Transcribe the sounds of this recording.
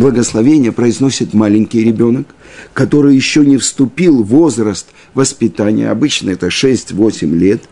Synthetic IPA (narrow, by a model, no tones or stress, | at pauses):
blˠəɡəslˠɐvʲenʲɪjəpɾəɪzno̞sʲɪt̪malʲɪnʲkʲɪjɾʲɪbʲo̞nəkːɐt̪o̞ɾɨjjɪɕːonʲɪfst̪ʊpʲilˠvo̞zɾəst̪ | vəspʲɪt̪anʲɪ̰jə̰ɐ̰bɨt͡ɕnəɛt̪əʂɛsʲtʲvo̞sʲɪmlʲe̞t̪